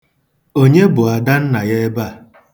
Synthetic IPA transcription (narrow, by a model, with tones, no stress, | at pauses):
o˦ɲe˦bʊ˨a˨da˦n̩˦na˨je˦e˦ba˦˨